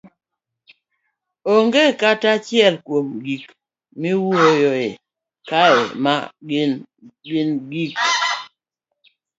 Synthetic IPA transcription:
oŋɡekatat͡ʃjɛlkwomɡik | miwojɔe | kaema̰ɡ | ɡɪnɡik̚

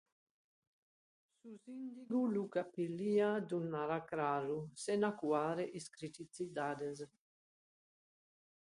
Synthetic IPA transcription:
suzind̪iɡulukapiliad̪unːaɾakɾaɾusenakuaːɾeʔiskɾit̪it͡sid̪ad̪ez

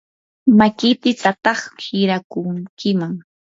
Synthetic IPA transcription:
makɪt̪ɪt͡sat̪ɑχhɪɾakʊŋkɪmaŋ

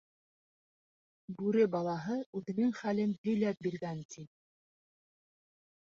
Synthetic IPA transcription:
bʉɾɘbɑlˠɑɦɤʉðɘ̆nɘŋχælɘnhɵ̆jlæp̚biɾɡænt̪ʰin

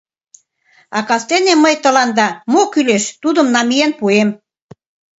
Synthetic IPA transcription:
ɑkɑst̪eneməjt̪ə̆lɑnd̪ɑmokyleʃt̪ud̪ə̆mnɑmijenpuem

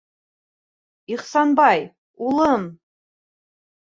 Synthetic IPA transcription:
iχsanbaj | uləm

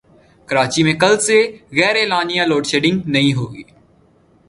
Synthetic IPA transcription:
kɐɾaːt͡ʃimẽkɐlseɣɛːɾeːlaːnijãloːɖʃeːɖɪ̃ŋɡnɐɦĩɦoːɡḭː

